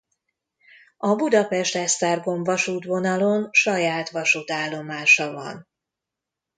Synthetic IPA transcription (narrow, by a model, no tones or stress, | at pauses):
ɒbud̪ɒpɛʃt̪ɛʃt̪aːrɡo̞ɱvɒʃuːt̪ʋo̞nɒlo̞nʃɒjaːt̪ʋɒʃuːt̪aːlːo̞maːʃɒvɒ̰n